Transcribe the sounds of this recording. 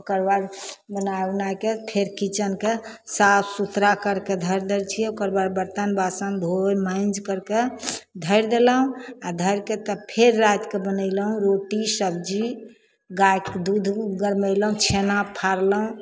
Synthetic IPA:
okəɾbaɾbənajbnajkepʰeɾkit͡ʃənke | sapʰsut̪ɾakəɾked̪ʱəɾd̪elt͡ʃʰiokəɾbaɾbəɾt̪ənbasənd̪ʱoɾmãɪnd͡ʒkəɾked̪ʱəjɾd̪eləɦũad̪ʱəjɾket̪əpʰeɾːat̪kebənələɦũɾoʈisəbd͡ʒi | ɡajkd̪ud̪ʱɡəɾməɪləɦũt͡ʃʰenapʰaɾləɦũ

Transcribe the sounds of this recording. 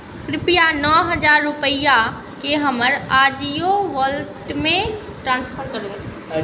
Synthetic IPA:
kɾɪpijanɔːɦəd͡ʒaːɾːʊpəja | keɦəməɾad͡ʒijoʋəlʈmẽ | ʈɾãːnspʰəɾkəɾu

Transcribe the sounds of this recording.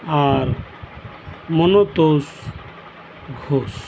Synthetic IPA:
aɾ | mɔnot̪os | ɡʱoːs

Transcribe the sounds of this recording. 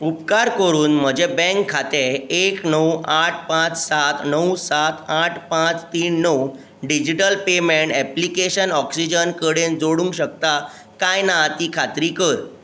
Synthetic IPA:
upkaɾkəɾuːnm̤əd͡ʑebɛ̃ŋkʰːat̪eeknəwaʈ̚ʰpãt͡ssat̪nəwsat̪aʈʰpãt͡st̪iːnːəw | ɖid͡ʑiʈəlpemeɳʈɛplikeɕənɔksid͡ʑənkəɽend͡zoɽũŋkɕək̚t̪a | kajnat̪iːkʰat̪ɾiːkəɾ

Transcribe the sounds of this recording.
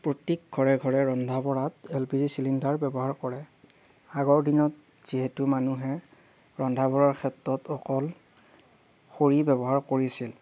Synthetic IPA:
pɹotik̚ɡʱɔɹɛɡʱɔɹɛɹɔndʱabɔɹatɛlpizisilindaɹbɛbɔɦaɹkɔɹɛ | aɡɔɹdinɔt | z̥iɦetumanuɦɛ | ɹɔndʱabɔɹaɹkʰɛtɹɔtɔkɔl | xoɹibɛbɔɦaɹkoɹisil

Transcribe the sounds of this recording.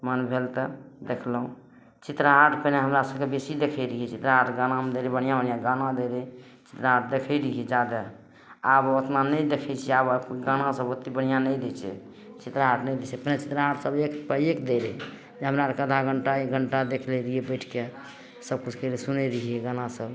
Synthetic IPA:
mənbʱelt̪əd̪ekʰlɦũ | t͡ʃit̪ɾaɦaʈpəneɦəmɾasəbkebesid̪ekʰɛɾiɦit͡ʃit̪ɾaɦaʈɡanamed̪eɾɛbəɽ̤̃ijabənjaɡanad̪eɾɛ | t͡ʃi̥t̪ɾaɦaʈ̚ʰd̪ekʰɛɾiɦed͡ʒad̪ə | abot̪nanəjd̪ekʰɛt͡ʃʰɛabakɡanasəbot̪ibən̤ijanəjd̪et͡ʃʰɛ̰ | t͡ʃit̪ɾaɦaʈʰnɛjd̪et͡ʃʰɛpnet͡ʃit̪ɾaɦaʈsəbekpəekd̪eɾ | d͡ʒeɦəmɾakəd̪ʱaɡəɳʈaeɡʱəɳʈad̪ekʰleɾiebəɪʈʰke | səb̚kut͡ʃʰkeɾesuneɾiɦieɡanasəb

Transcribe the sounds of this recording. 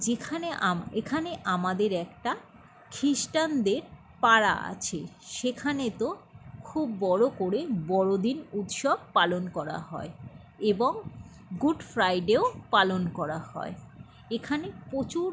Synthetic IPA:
d͡ʑekʰaneamekʰaneʔamad̪eɾɛkʈa | kʰɾiʃʈand̪eɾ | paɾa̰a̰t͡ɕʰeʃekʰanet̪okʰubːɔɽokoɾebɔɽod̪inut̪ʃɔb̚palonkɔɾa̰ɦɔ̰e | eboŋ | ɡuɖfɾajɖeopalonkɔɾahɔ̰e | ekʰanepot͡ɕuɾ

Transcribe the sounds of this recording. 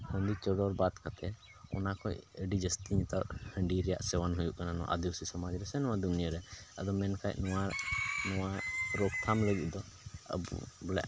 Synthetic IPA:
hɔnd̪it͡ʃɔɖɔɾbat̪kat̪ʰɛ | ɔnakɔjəɖid͡ʒəst̪iɲɛt̪at̪̚həɳɖiɾɛja̰ʔsɛwanɦujuʔkananɔ̰ʔa̰d̪iusisɔmad͡ʒɾɛsɛnɔwad̪unijəɾɛə̰d̪ɔmɛnkajnɔwanɔwaɾɔk̚t̪ʰamləɡit̪̚ˀd̪ɔə̰bṵbɔla̰ʔ

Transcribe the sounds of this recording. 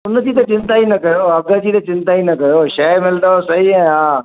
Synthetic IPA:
ʊnd͡ʑiːt̪ət͡ʃɪ̃nt̪aːinɐkɐjoːɐɡəd͡ʑiːt̪ɐt͡ʃɪ̃nt̪ainɐkɐjoːʃɛːmɪld̪aosɐɦiɦɛ̃ɦãː

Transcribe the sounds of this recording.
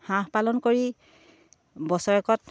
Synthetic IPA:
hãhpalɔnkoɹi | bɔsɔɹɛkɔt

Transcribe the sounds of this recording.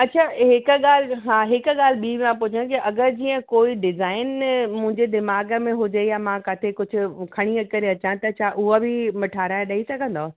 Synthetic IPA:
ɐtːt͡ɕʰaːɦɪkɠaːl̤ɦaːɦɪkɠaːl̤ɓiːãpʊt͡ʃʰə̃kiʔɐɡəɾd͡ʑiːə̃koːiɖɪzaːɪnmʊ̃ɦɪ̃ɲd͡ʑed̪ɪmaːɡə̆mẽɦʊd͡ʑejamãːkaːt̪ʰekʊd͡ʑʰʱʊ̆kʰɐɽ̃iəkɐɾeɐt͡ɕãt̪ɐt͡ɕʰaʔʊɦabʱɪmɐʈʰaːɾaːjɗɐisɐɡʱə̃nd̪oː

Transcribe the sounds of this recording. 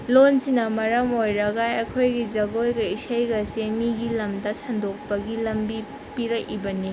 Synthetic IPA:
lonsinɐmɐɾɐmojɾɐɡajɐkʰojɡid͡ʒɐɡojɡɐisajɡɐseŋmiɡilɐmdɐsʰɐndok̚pɐɡilɐmbi | piɾɐkibɐni

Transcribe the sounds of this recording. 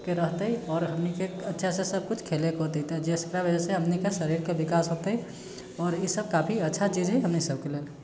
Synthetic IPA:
keɾəɦt̪əɦiɔːɾɦəmnikeətːʃʰasesəb̚kut͡ʃʰkʰelekɦot̪eit̪ed͡ʒeskɾabəd͡ʒaseɦəmnikesəɾiɾkebikaːsɦot̪ɦi | ɔːɾjisəb̚kaːpʰiətːʃʰat͡ʃid͡ʒɦɛɦəmnisəb̚keleːl

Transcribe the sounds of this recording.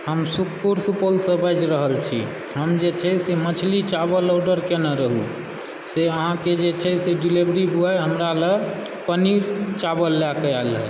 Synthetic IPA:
ɦəmsukʰpuɾsupolsə̃bajd͡ʒɾəɦəlt͡ʃʰḭ | ɦəmd͡ʒet͡ʃʰɛsemət͡ʃʰlit͡ʃabəlɔɖəɾkenəɾəɦṵ | seəɦãked͡ʒet͡ʃʰɛseɖilebɾibuajɦəmɾale | pəniɾt͡ʃabəlːakəjalɦə̰

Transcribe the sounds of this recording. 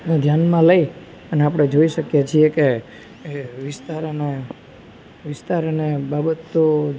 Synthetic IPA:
nad̪ʱjanmãləi | pəneapəɽ̃ed͡ʒoiʃəkjet͡ʃʰieke | ʋɪst̪aɾəne | ʋɪst̪aɾənebabət̪ːo

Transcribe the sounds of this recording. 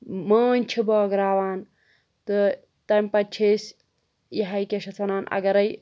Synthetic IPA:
mɐːnʲt͡ʃʰiboɐɡɾaːʋaːn | t̪ɨ | t̪ɐmʲpɐt͡ʃʰesʲ | jiɦɐjkʲeʃɐt͡sʰɐnaːnɐ̰ɡɐɾɐj

